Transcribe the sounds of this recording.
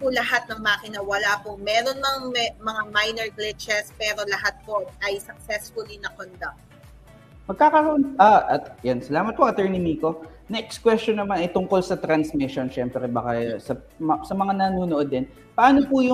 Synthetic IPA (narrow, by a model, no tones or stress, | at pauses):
pʊlɐɦat̪̚nɐŋmaːkɪnɐwɐlapoŋmɛːɾonmɐŋmɛmɐŋamajnɛɹɡlɪt͡ʃɛspɛːɾo̞lɐhat̪̚po̞ɐjsɐk̚sɛsfʊlinɐkond̪ak̚t̪ | mɐɡ̚kaːkɐɾɐʔnʔaʔɐt̪ɐjansɐlaːmɐt̪̚poʔɐt̪ɛːɹnimiːko | nɛʔɛkskwɛst͡ʃonːɐmanɐjt̪ʊŋko̞lsɐt̪ɾɐnsmɪʃonʃɛmpɾɛbaːkɐsɐ | msɐmɐŋanɐnuːnoʔod̪ːɛn | pɐʔaːnopujʊ